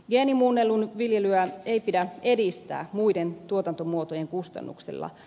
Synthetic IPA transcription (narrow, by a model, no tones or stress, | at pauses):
ɡeːnimunːelːunʋiljelyæe̞jpidæe̞dist̪æ̰ːmuident̪uot̪ɑnt̪omuot̪ojeŋkust̪ɑ̰nːṵksḛlːɑ̰